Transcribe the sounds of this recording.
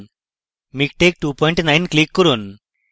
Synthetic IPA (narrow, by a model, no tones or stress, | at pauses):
mik̚ʈek̚ʈupɔiɳʈnajnklikːəɾuːn